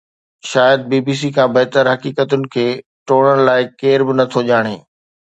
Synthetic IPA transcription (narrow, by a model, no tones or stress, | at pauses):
ʃaːjəd̪̚biːbiːs̬ikʰãbɐɦt̪əɾɦɐkiːkət̪ʊnɪ̆kʰeː | ʈoːɽ̃əɽ̃laːɪkeːɾbɪnɐt̪ʰoʄaːɽ̃eː